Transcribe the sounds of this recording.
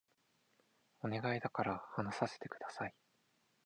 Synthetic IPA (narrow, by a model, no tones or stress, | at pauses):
o̞ne̞ɡaid̪akaɾahanasase̥t̪e̞kɯ̟d̪asai